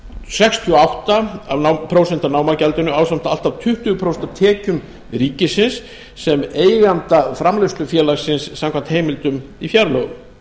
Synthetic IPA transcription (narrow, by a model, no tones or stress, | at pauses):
sɛkst̪ʰiɔawht̪aavnapʰɾoːwsɛnt̪anaːwmacɛlt̪ʏnʏawsam̥t̪al̥t̪avt̪ʰʏht̪ʏɣʏpʰɾowsɛnt̪at̪ʰɛːcʏm | ɾiːcɪsɪnsː | ɛmeːjɣant̪afɾamlœɥst̪ʏfjɛːlaɣsɪnsːamkʰvant̪hejmɪlt̪ʏmifjaɾlœɣʏm